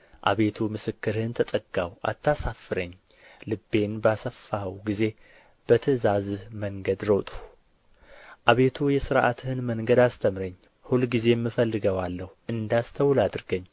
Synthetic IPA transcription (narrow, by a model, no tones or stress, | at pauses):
ʔa̰βe̞t̪ʰumɨsɨkːɨɾhɨnt̪ʰət̪ʼəɡawʔa̰t̪ːasafːɨɾəɲː | lɨbːe̞nbasəfːahwɡize̞ | b̥ət̪ʰɨzazməŋɡəd̪ɾot̪ʼu̥ | ʔaβe̞t̪ʰujɛsɨɾʔa̰t̪hɨnməŋɡəd̪ast̪ʰəmɾəɲː | hulɡize̞mːɨfəlːɨɡəwalːəhuɨnd̪ast̪ʰəwlad̪ɾɡəɲː